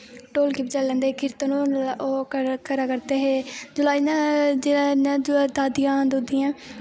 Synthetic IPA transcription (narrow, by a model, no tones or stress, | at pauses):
ʈoːlkipd͡ʒalːɛ̃ːnd̪ekʰɪɾt̪ənooːkəɾaːkəɾt̪eːɦeːd͡ʒʊlaːiːnãd͡ʒenad͡ʒd̪aːd̪ɪjãːd̪oːd̪ɪjãː